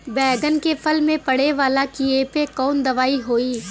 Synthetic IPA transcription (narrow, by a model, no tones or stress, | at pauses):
bɛːɡənkepʰɐlmẽpɐɽ̤eʋaːlakieːpekɔːnd̪ɐʋaːiɦoːiː